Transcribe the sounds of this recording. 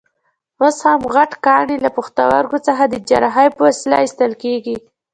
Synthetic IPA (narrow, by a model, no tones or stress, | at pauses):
woshamɣaʈkɑɳilapəxt̪a̰wa̰ɾɡot͡səxad̪əd͡ʒa̰ɾaɦajpəwasla̰ist̪əlkeɡi